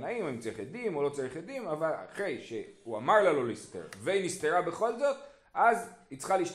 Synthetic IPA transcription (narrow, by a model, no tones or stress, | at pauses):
naimaimt͡saʁiχed̪imolo̞t͡saʁiχed̪imavala̰χʁe̞jʃeuamaʁlalo̞list̪ḛʁveinist̪eʁabe̞χo̞lzo̞t̪ | ʔazhit͡sχaliːʃt